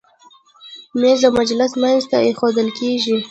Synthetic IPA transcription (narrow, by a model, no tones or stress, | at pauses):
mezd̪əmad͡ʒlɪsmajnzt̪aexod̪əlkeʒi